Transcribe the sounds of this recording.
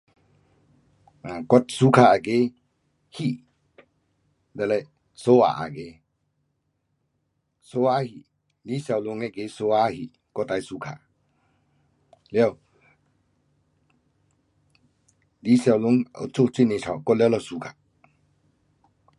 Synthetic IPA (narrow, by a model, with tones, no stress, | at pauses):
a˨kɔ˦t̚su˦kʰa˧a˨ɡe˧˦ | hi˦˨ | dɛ˨lɛ˧˨j | so˦a̰˨ʔa̰˨ɡe˨ | so˦a˦hi˨ | li˦sja˧˨wlu˧˨ŋɛ˦˨ɡe˧˦so˧a˦hi˨ | kɔ˦ta˨jsu˧kʰa̰˨ | lɛ˦a˨w | li˦sa˨wlu˧˨ŋa̰˨t͡so˦˨t͡si˦˨ne˨sʰa˨wkɔ˦lɛ˦lɔ˧su˧kʰa˨